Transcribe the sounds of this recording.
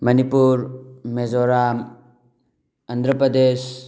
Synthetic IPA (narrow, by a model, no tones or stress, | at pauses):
mɐnipuɾmezoɾam | ɐnd̪ɾəpɾɐd̪es